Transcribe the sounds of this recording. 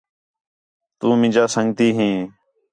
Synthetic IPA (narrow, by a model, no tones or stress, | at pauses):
t̪uːmɪ̃ːd͡ʒaːsəŋɡt̪iːɦẽː